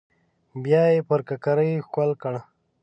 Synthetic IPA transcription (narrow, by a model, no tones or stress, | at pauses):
bjɑjepəɾkakaɾəjxʷalkəɽa